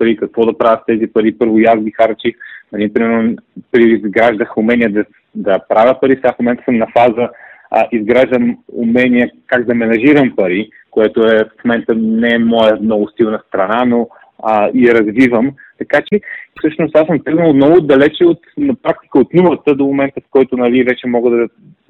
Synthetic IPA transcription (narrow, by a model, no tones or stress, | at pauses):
pɐɾikɐkvɔd̪ɐpɾavəxt̪ɛzipɐɾipɤɾvojazɡixaɾt͡ʃixnɐnipɾimɛɾnopɾiizɡɾaʒd̪əxʊmɛnijəd̪ɐ | d̪ɐpɾavʲjəpɐɾisafomɛ̃nt̪əsəmnɐfazəʔizɡɾaʒd̪əmʊ̰mɛnijəkaɡd̪ɐmɛnɐʒiɾəmpɐɾi | koɛt̪oɛfmomɛnt̪ənɛɛmɔjɛnɔɡʊst̪ilˠnɐst̪ɾɐnano | iɐɾɐzvivəmt̪ɐkat͡ʃɛsɤʃnʊst̪asəmpɾiznəlˠmnɔɡʊd̪ɐlɛt͡ʃɛot̪nɐpɾak̚t̪i̥kəot̪numˠət̪əd̪omomɛnt̪əfkɔjt̪ʊnɐlivɛt͡ʃɛmɔɡəd̪ɐ